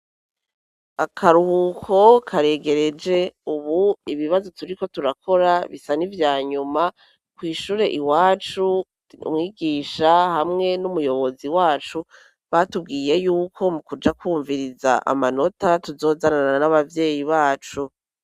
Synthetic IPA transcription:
akʰaɾuhukʰo̞kʰaɾe̞ːɡe̞ɾe̞d͡ʒe̞uβuiβiβazo̞tuɾiko̞tuɾakʰo̞ɾaβisanivjaːɲuma | kwiːʃuːɾe̞ʔiwaːt͡ʃu | ṵmŋiːɡiːʃahamŋe̞numujo̞βo̞ziwaːt͡ʃu | βatubɡiːje̞juːkʰo̞mukud͡ʒakwuːɱviɾiza̰ʔa̰mano̞tatuzo̞ːzaɾanaanaβavje̞ːjiβaːt͡ʃu

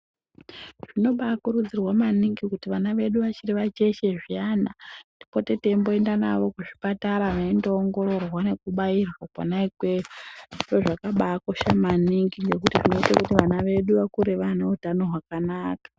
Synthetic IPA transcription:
ʐ̥ino̞ɓaːkuɾud͡zirwamaniŋɡikutiʋanaʋe̞ɗuʋat͡ʃiriʋat͡ʃe̞ʃe̞ʐijanadi̥po̞te̞te̞mbo̞e̞ndana̰ʋo̞kuʐipataɾaʋaindoːŋɡo̞ɾo̞rwane̞kuɓairwakwa̰naikwe̞riʐoʐakaɓaːko̞ʃamaniŋɡiŋɡe̞kutiʐino̞itakutiʋanaʋe̞ɗuʋakuɾeʋaneutano̞ɦwakanaːkḁ

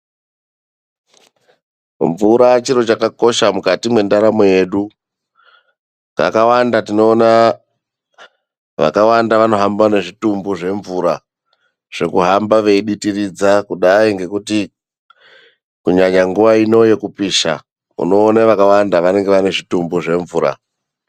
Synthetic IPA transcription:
ɱvuɾat͡ʃiɾo̞t͡ʃakako̞ʃamukatimwe̞ndaɾamoje̞ɗu | ka̰kawandatino̞ːna | ʋa̰kawandaʋano̞ɦambane̞ʐitumbuʐe̞ɱvuɾa | ʐ̥e̞kuɦambaʋe̞iɗitirid͡zakuɗaiŋɡe̞kuti | kuɲaɲaŋɡuʋaino̞je̞kupiːʃa̰ | ṵno̞ːnaʋakawandaʋane̞ŋɡe̞ʋane̞ʐitumbuʐe̞ɱvuːɾa̰

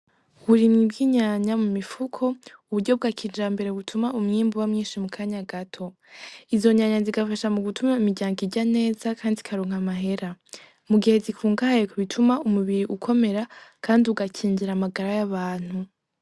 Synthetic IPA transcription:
huɾinibɡiɲaɲamumifukʰo̞uβuɾɟo̞b̚ɡakʰiːd͡ʒambe̞ɾe̞βutʰumaumŋiːmbuwamŋiːnʃimukʰaɲaɡatʰo̞ | izo̞ɲaɲaziɡafaʃamuɡutʰumaimiɟaːŋɡiɟane̞ːzakʰaːndikʰaɾoːŋ̥amaɦe̞ɾa | muɡihe̞zikuːŋɡahajekʰuβitʰumaumuβiɾiʔukʰo̞me̞ɾakʰaːndiuɡacʰiːɲɟiɾamaɡaɾajaβaːn̥hu

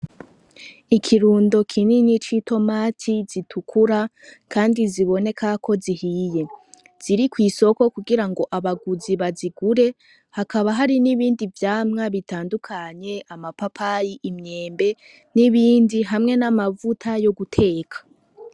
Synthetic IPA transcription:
ikʰiɾuːndo̞kʰininit͡ʃitʰo̞maːtʰiz̥itʰukʰuɾa | kʰaːndiziβo̞ne̞kakʰo̞zihiːje̞ | z̥iɾikwiːso̞ko̞kuɡiɾaŋɡo̞ʔaβaɡuziβaziɡuɾe̞ | hakaβaɦaɾiniβiːndivjaːmŋaβitaːndukʰaɲe̞amapapʰajiʔimɲe̞ːmbe̞ | niβiːndiɦamŋe̞namavutʰajo̞ɡutʰe̞ːkʰḁ

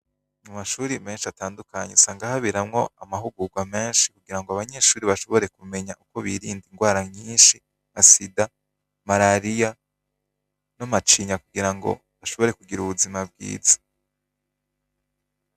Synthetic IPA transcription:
ɲumaʃuːɾime̞ːnʃiataːndukaɲeusaːŋɡahaβiɾamŋo̞amaɦuɡuɡwame̞ːnʃi̥kuɡiɾaŋɡoaβaɲe̞ʃuːɾiβaʃo̞βo̞ɾe̞kume̞ɲaʔuko̞βiɾiːndiŋɡwaːɾaɲiːnʃi | masida | maɾaɾija | namat͡ʃiɲakuɡiɾaŋɡo̰ | βaʃo̞βo̞ɾe̞kuɡiɾuβuzimab̚ɡḭːzḁ

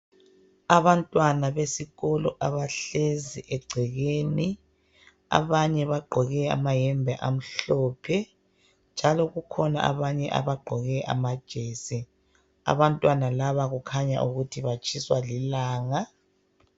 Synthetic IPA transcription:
aβantʼwanaβesiɣɔlɔʔaβaɬeziʔɛɡ͡ǀʱɛɣeni | a̰βaɲɛβaɡ͡ǃʱɔɣɛa̰majɛmbʱɛʔam̩ɬɔːpʰɛ | nd͡ʒʱalɔɣukʰɔna̰ʔa̰βaɲɛʔa̰βaɡ͡ǃʱɔɣɛʔa̰mad̥ʒ̥ʱeːsi | a̰βantʼwanalaβaɣukʰaɲa̰ʔuɣutʰiβat͡ʃʼʰiswalilaːŋa

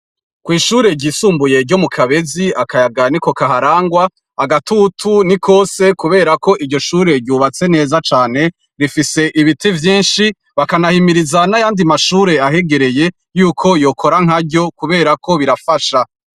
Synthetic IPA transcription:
kwiːʃuːɾe̞ɾɟiːsuːmbuje̞ɾɟo̞mukʰaβe̞ziakajaɡaniko̞kaɦaɾaːŋɡwaː | ɡatutʰunikʰo̞ːse̞kuβe̞ːɾako̞ʔiɟɟo̞ʃuːɾe̞ɾɟuːβat͡se̞ne̞ːzat͡ʃaːne̞ | ɾifise̞ʔiβitʰevjiːnʃi | βakanahimiɾizanajaːndimaʃuːɾe̞aɦe̞ɡe̞ɾe̞je̞ | juːkʰo̞jokʰo̞ɾaŋ̥ɦaɾɟo̞kuβe̞ːɾakʰo̞βiɾafaʃa

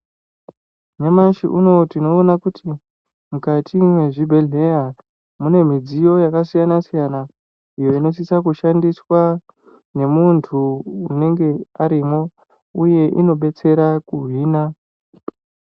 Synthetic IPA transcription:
memaʃiʔuno̞tino̞ːnakuti | mukatʰimwe̞ʐibʱe̞ɮe̞ja | mune̞m̤id͡zijo̞jakasijanasijana | ijo̞ino̞s̬isakuʃandiswa | ne̞muntʰuune̞ŋɡe̞aɾimo̞ | uje̞ʔino̞ɓe̞t͡se̞ɾakuɦiːna

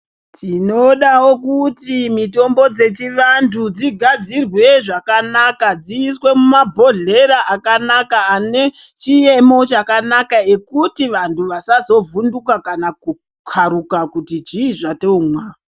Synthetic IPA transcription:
tʰinoɗawo̞kutimito̞mbo̞d͡ze̞t͡ʃiʋandʰud͡ziɡʱad͡zirwe̞ʐakanakad͡ziːswe̞mumabʱo̞ɮe̞ɾaʔakanakaːne̞t͡ʃije̞mo̞t͡ʃakanakae̞kutiʋantʰuʋasazo̞vundukakanaku | kʰaɾukakutid͡ʒiːʐateomwa

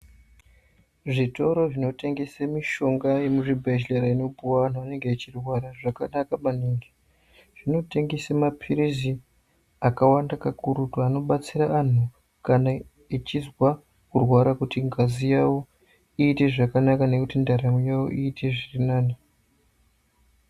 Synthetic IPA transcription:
ʐito̞ɾo̞ʐino̞te̞ŋɡe̞semiʃo̞ŋɡaje̞muʐibʱeʃleɾaino̞buwan̤aane̞ŋɡeit͡ʃirwaɾaʐakanakaɓaniːŋɡe | ʐ̥ino̞te̞ŋɡe̞semapʰiɾizi | akawandakakuɾutoano̞ɓat͡siɾaʔan̤u | kana | it͡ʃizwa | kurwaɾakutiŋɡazijawo | iːte̞ʐakanakane̞kutindaɾamijawo̰ʔiːtʰe̞ʐirinaːni

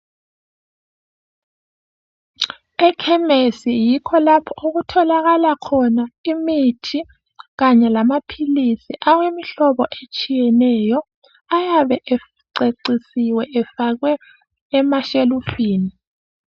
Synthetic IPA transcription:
ɛkʰɛmesijikʰɔlapʰɔʔuɣutʰɔlaɣalakʰɔnaimitʰi | ɣaɲɛlamapʰilisiʔaɣwemiɬɔβɔʔet͡ʃʼijɛnɛjɔ | ajaβɛʔɛ | ǀeǀisiwɛʔɛfaɣwɛː | maʃelufiːni

